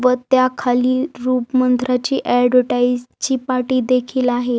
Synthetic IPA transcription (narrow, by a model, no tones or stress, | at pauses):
ʋət̪jakʰaliːɾuːpmənd̪ɾat͡ɕiːʔɛɖʋəɾʈaizt͡ɕiːpaʈiːd̪ekʰiːlaɦe